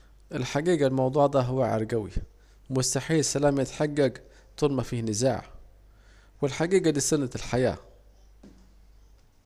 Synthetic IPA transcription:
ʔɪlħaɡiːɡalmɑwd̪ˤuːʕd̪æːɦʊwaʕɑ̰ɾˤɡæwḭ | mʊst̪aħiːlsælæːmjɪt̪ħaɡːæɡ | t̪ˤʊlmafiːhnɪza̰ːʕ | wɪlħaɡiːɡad̪iːsʊnːalħaja̰ː

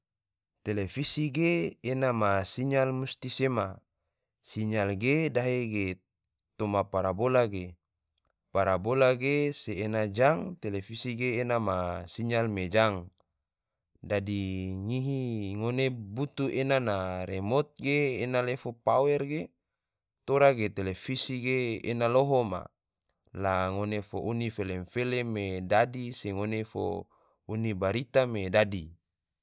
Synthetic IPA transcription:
t̪elefisiɡeːnamasiɲalmust̪isema | siɲalɡedaɦeɡe | t̪omapaɾabolaɡe | paɾabolaɡeseːnad͡ʒaŋt̪elefisiɡeːnamasiɲalmed͡ʒaŋ | dadiŋiɦiŋonebut̪uenanaɾemot̪̚ɡeːnalefopawɛrɡe | t̪oɾaɡet̪elefisiɡeːnaloɦoma̰ | laŋonefoʔunifelemfelemedadiseŋonefo̰ | unibaɾit̪amedadi

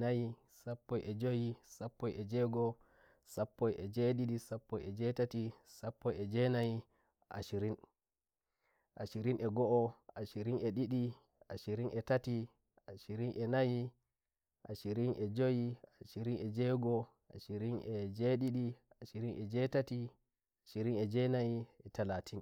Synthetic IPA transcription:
naji | sapːɔjʔɛd͡ʒojisapːɔjɛd͡ʒɛɡɔ | sapːɔjʔɛd͡ʒɛɗiɗisapːɔjɛd͡ʒɛtatisapːɔjɛd͡ʒɛnaji | ʔa̰ʃiɾin | ʔaʃiɾinʔɛɡɔʔɔaʃiɾinɛɗiɗi | aʃiɾinʔɛtati | ʔaʃiɾinʔɛnaji | ʔaʃiɾinʔɛd͡ʒojiaʃiɾinɛd͡ʒɛɡɔ | ʔaʃiɾinʔɛd͡ʒeɗiɗi | aʃiɾinʔɛd͡ʒɛtati | aʃiɾinɛd͡ʒɛnajiɛtalatʰin

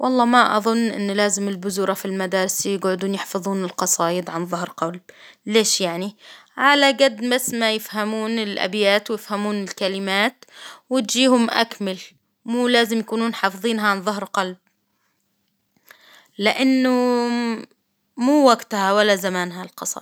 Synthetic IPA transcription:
wʔɑlˤːɑːmaʔɑ̰ðˤʊnːʔɪ̰nːʊlaːzɪmɪlbʊzuːɾˤɑfilmad̪aːɾɪsjɪɡʕʊd̪uːnjɪħfɑðˤuːnɪlqɑsˤɑːjɪd̪ʕanðˤʊhɾqɑlb̚leːʃjaʕniʕalaɡad̪ːbasmajɪfhamuːnɪlʔa̰bjaːt̪wjɪfhamuːnɪlkalɪmaːt̪wɪt̪d͡ʒiːhʊmʔa̰kmɪl | muːlaːzɪmjakuːnuːnħɑːfðˤiːnɦaʕanðˤʊɦɾqɑlb̚ | lɪʔanːʊ | muːwaɡt̪hawalːazamaːnɦalqɑsˤɑ̰ː

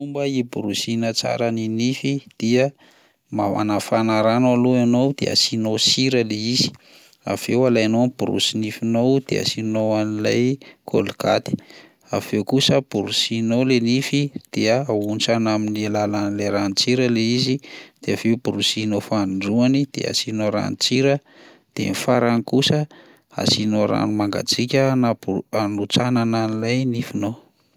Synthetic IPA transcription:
umbəibuɾusinət͡sa̰ɾəninifid̪̥iə | maa̰nafanaɾanaloanowd̪̥ḛa̰sinosiɾəleizi̥ | a̰v̥ewalajnonib̥uɾṵsinifinowd̪ḛa̰sinowanila̰jkʰo̰lka̰t̪i̥ | a̰v̥ewkusəb̥uɾusinowlenifid̪̥eəaunt͡sanaminielalanileɾanit͡siɾəleizid̪̥eaveubuɾusinofanɖ͡ʐuanid̪̥ḛa̰sinoɾa̰nit͡siɾə | d̪̥ḛnifaɾanikusə | a̰sinoɾa̰numaŋɡa̰t͡sikʲənaanut͡sanananilajnifinow

